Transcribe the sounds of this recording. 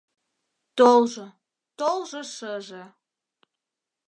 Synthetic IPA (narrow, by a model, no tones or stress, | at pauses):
t̪olʒɤ | t̪olʒɤ̆ʃəʒĕ